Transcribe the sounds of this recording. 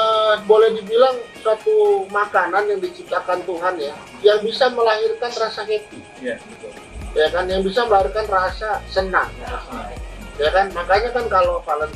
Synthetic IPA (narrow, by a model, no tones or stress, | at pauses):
əbolɛhdibilaŋsuat̪umakananjaŋdit͡ʃip̚t̪akant̪uɦanja | jaŋbisaməlaɦirkanrasaket̪i | jakanjaŋbisaməlahirkanrasasənaŋas | jakanmakaɲakankalopalan